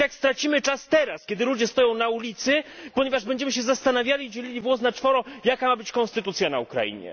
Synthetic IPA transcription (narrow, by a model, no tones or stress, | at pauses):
akst̪ɾat͡ɕimɘt͡ʂast̪ɛɾaskʲɛd̪ɘlud͡ʑɛst̪ɔjɔ̃w̃naulʲit̪sɘpɔɲɛvaʐbɛɲd͡ʑɛmɘɕ̬ɛzast̪anavʲjalʲid͡ʑelʲilʲivwɔs̬nat͡ʂfɔɾɔjakamabɘt͡ɕkɔnst̪ɘt̪ut̪sʲjanaukɾa̰jḭɲɛ̰